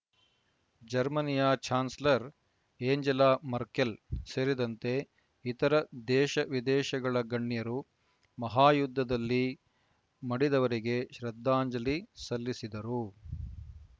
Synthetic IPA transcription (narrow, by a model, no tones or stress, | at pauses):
d͡ʒɐɾmɐnijaːt͡ʃʰaːnslɐɾ | eːɲd͡ʒɐlaːmɐɾkelseːɾid̪ɐnt̪e̞ | it̪ɐɾɐd̪ɛːʃɐʋid̪ɛːʃɐɡɐɭɐɡɐɳːjɐɾu | mɐɦaːjud̪ʱːɐd̪ɐlːi | mɐɽid̪ɐʋɐɾiɡeʃɾɐd̪ʱːaːɲd͡ʒɐlisɐlːisid̪ɐɾu